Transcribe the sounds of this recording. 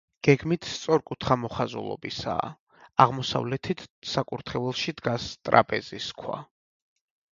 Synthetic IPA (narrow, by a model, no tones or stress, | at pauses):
ɡ̥ɛɡmit̪ʰst̪sʼɔɾkʼut̪ʰχamɔχazṵlˠɔ̰bisa̰ː | aʁmɔsa̰vlɛt̪ʰit̪ʰsakʼuɾt̪ʰχɛvɛlˠʃid̪ɡast̪ʼɾa̰pʼɛziskʰwa̰